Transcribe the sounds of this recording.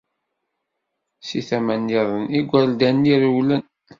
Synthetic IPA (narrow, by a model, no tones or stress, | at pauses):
siθæmænːiðˤəniɡʷːæɾld̪ænːiɾəwlən